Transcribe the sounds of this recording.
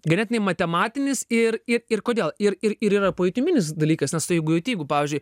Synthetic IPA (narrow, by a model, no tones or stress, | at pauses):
ɡɐnʲɛːt̪ʲnʲɛɪmɐt̪ʲɛmɑːt̪ʲɪnʲɪsɪrɪɾɪrkoːd̪ʲeːlˠɪɾɪɾɪɾiːɾɐpoːjɪt̪ʲʊmʲɪnʲɪsd̪ɐlʲiːkɐsnʲɛst̪ɐɪjɛɪɡʊjɛʊt̪ʲiːɡʊpɑːʋʲɪːzʲd͡ʒʲʊɪ